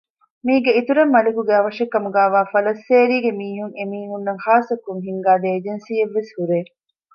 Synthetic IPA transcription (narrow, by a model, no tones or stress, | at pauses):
miːɡeit̪uɾemːɐlekuɡeɐʋɐʂekːɐmuɡæːʋaːfɐlɐsːeːɾiːɡemiːɦuŋemiːɦunːɐŋhaːsɐkːuŋɦiŋɡaːd̪eːd͡ʒensiːeʋːeshuɾeː